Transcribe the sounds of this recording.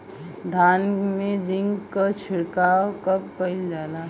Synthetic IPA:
d̪ʱanmẽd͡ʒiŋɡkət͡ʃʰɪɽkaːokəp̚kəɪld͡ʒaːla

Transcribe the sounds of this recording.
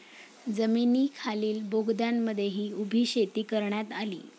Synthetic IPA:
d͡zəminiːkʰaliːlbʱoɡd̪janːəd̪ʱːjeɦiːubʱiːɕet̪iːkəɾɳjat̪alḭː

